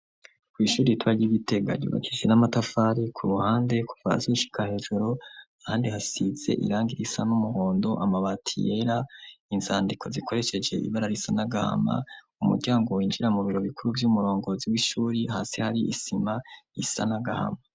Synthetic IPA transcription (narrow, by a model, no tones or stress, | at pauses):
kwiːʃuːɾitwaɾɟiβite̞ɡa̰ɟṵːβa̰kʰid͡ʒe̞namatafaːɾikʰuɾuhaːnde̞ku̥va̰zoʃi̥kahe̞ːʒuɾo | ahaːndihasize̞̰ʔḭɾaːŋɡiɾisa̰numuho̞ːndo̞ʔamaβatʰije̞ɾainzaːndikʰo̞zikʰo̞ɾe̞ʃe̞d͡ʒe̞̰ʔḭβaɾaɾisanaɡaha̰ma̰ | umṵɾɟaːŋɡo̞wiːnd͡ʒiɾamuβiɾo̞βikuɾuvjumuɾoːŋɡo̞ziwiʃuːɾihaːse̞haɾiʔisimaisa̰naɡaha̰ma